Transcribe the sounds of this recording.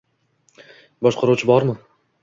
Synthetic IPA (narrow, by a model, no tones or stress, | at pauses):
bɒʃqʰɑɾuwt͡ʃʰɪbɒɾmɪ